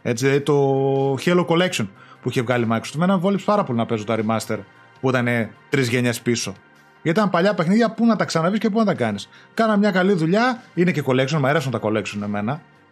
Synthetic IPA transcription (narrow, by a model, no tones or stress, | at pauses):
e̞t͡sinɐðit̪o̞çeloko̞le̞ksionpuiçe̞vɣɐlimɐkɾost̪emnɐmvo̞lipspɐɾɐpo̞linɐpe̞sot̪oɐɾimɐst̪e̞ɾ | puit̪ɐne̞t̪ɾizʝe̞ɲespiso̞ | ʝɐt̪iɐmpɐʎɐpe̞xniðʝɐpunɐt̪ɐksɐnɐvisce̞p̬unɐt̪ɐkɐniskɐnɐmɲɐkɐliðuʎɐinece̞ko̞le̞ksionmɐeɾes̬nɐt̪ɐko̞le̞ksune̞me̞nɐ